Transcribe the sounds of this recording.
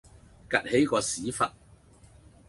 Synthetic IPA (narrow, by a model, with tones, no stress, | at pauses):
kɐ˨t̚he˨˥jkɔː˧siː˨˥fɐ˨t̚